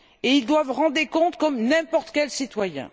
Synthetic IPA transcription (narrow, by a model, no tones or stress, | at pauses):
eild̪wavʁɑ̃d̪ʁekɔ̃t̪kɔmnɛ̃pɔʁt̪kʲɛlsit̪wajɛ̰̃